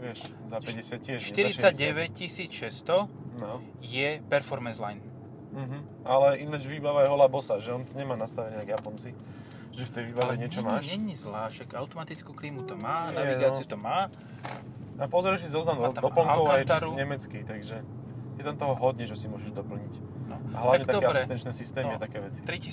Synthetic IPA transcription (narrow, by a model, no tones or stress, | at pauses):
ʋɪɛʃ | zapɛɟɛsɪat̪cɪɛʃʃɛt̪iɾiaɟɟɛʋɛc̚cisiːt͡sʃɛst̪ɔnɔ | jɛpɛɾfɔɾmɛnslajn | m̩ɦ̩ | alɛinad͡ʒʋiːbaʋajɛɦɔlabɔsaʒɛɔnt̪ɔɲɛmaːnast̪aʋɛniaɡjapɔnt͡si | ʒɛft̪ɛjʋiːbaʋɛɲɪɛt͡ʃɔmaʃɲɛɲizlaːʃakaʊt̪ɔmat̪it͡skuːkliːmut̪ɔmaːnaɛʋiɡaːt͡siut̪ɔmaː | apɔzɔɾɛʃsizɔznamad̪ɔpl̩ŋɔʊkaajɛt͡ʃt̪asɾuɲɛmɛt͡skit̪aɡʒɛ | jɛt̪amt̪ɔɦɔɦɔd̪ɲɛt͡ʃɛsimʊɔʒɛʒd̪ɔpl̩ɲic | nɔ̰a̰ɦlaʋaɲɛtt̪aɛaɾst̪ɛnt͡ʃnɛsist̪ɛːnmiat̪akɛːʋɛt͡si̥t̪ɾici